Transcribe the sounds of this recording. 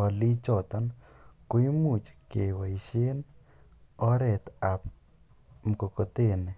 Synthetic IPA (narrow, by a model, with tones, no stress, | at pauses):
ɔ˨li˦t͡ʃɔ˨t̪ɔ˦nkʊ˦i˦mu˨t͡ʃke˨wa˨i˨ʃe˦n | ɔ˦ɾɛ˨t̪a˨p̚ | m˨ko˨ko˨te˦˨nɛ˨